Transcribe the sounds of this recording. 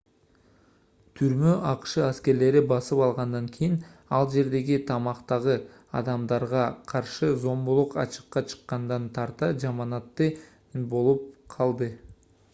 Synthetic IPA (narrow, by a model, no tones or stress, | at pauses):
t̪ʰyɾmøʔɑqʃɯæske̞ɾle̞ɾibɑsɯpɑlˠʁɑnd̪ɑŋkʲʰijinɑlˠd͡ʒe̞ɾd̪e̞ɡit̪ʰɑmɑqt̪ɑʁɯ | ɑ̰d̪ɑmd̪ɑɾʁɑqʰɑɾʃɯzo̞mbulˠuqɑ̰t͡ʃɯ̥qːɑt͡ʃʰɯ̥qːɑnd̪ɑnt̪ʰɑɾt̪ɑd͡ʒɑmɑnɑt̪ːɯ | bo̞lˠup̚qʰɑlˠd̪ɯ